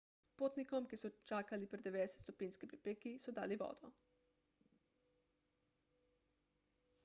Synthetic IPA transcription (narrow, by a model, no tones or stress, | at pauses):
poːt̪nikɔmkisut͡ʃaːkalipɾɛd̪eʋeːd̪eset̪st̪ɔpinskipɾipekisɔd̪a̰ːliʋo̰ːd̪ɔ